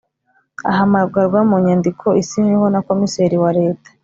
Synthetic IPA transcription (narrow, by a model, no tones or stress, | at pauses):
a̰ɦamabɡaɾɡwamuːɲandikʰo̞isiɲeho̞nako̞miseɾiwaɾe̞ːtḁ